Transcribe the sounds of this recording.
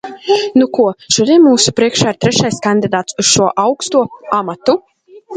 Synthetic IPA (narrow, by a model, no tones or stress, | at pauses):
nukuɔʃud̪ʲiɛnmuːsupɾiɛkʃaːiɾt̪ɾɛʃajskanʲd̪ʲid̪aːt̪suz̥ʃuɔʔawkst̪uɔamat̪u